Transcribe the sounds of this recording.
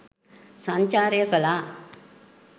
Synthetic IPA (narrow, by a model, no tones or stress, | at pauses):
sãɲt͡ɕaːɾjəkəla